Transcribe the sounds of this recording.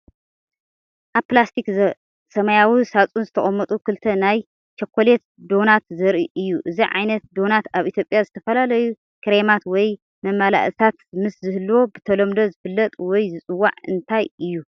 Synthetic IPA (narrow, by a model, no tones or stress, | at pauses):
ʔaβplast̪ʰik | sɐmajawisat͡sʼunzɨt̪ʰɐχʼɐmːɐt̪ʼukʰɨlt̪ʰɐnaj | t͡ʃʰɐkʷʰːolet̪d̪o̞nat̪zɐɾʔiʔɨjːuʔɨziʕa̰jnɐt̪̚d̪o̞nat̪aβʔit̪ʰjo̞pʼjazɨt̪ʰɐfɐlalɐju | kʰɨɾemat̪wɔj | mɐmːala̰ʔɨt̪ʰat̪mɨszɨhɨlːwo̞bɨt̪ʰɐlomd̪ozɨfɨlːɐt̪ʼwɔjzɨt͡sʼɨwːa̰ʕɨnt̪ʰajɨjːu